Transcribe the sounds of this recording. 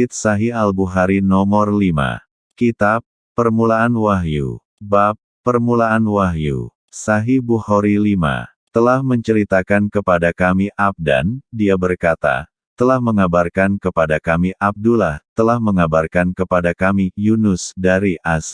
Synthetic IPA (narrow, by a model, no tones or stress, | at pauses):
ɪt̪̚saɦialbuɦaɾinɔmɔrlima̰ | kit̪apː | ərmulaːnwaɦjṵ | bapːərmulaːnwaɦjṵ | saɦibuhoɾilima̰ | t̪əlahməɲt͡ʃəɾit̪akankəpadakamiʔap̚da̰ndiabərkat̪a̰ | t̪əlahməŋabarkankəpadakamiʔap̚dulaht̪əlahməŋabarkankəpadakamijunʊsdaɾiʔas